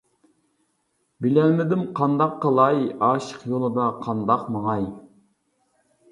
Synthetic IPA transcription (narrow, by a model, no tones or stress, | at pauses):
bɪlɛnmɪd̪ɪmqʰɑnd̪ɑqːəlˠɑjɑːʃə̥qjolˠɨd̪ɑqʰɑnd̪ɑqmɑŋɑj